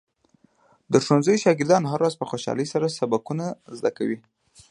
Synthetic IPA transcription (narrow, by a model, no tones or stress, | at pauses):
d̪əʂonzəjʃɑɡɪɾd̪ɑnɦaɾwazpəxoʃɑ̰ləjsaɾasabakunazd̪aka̰wi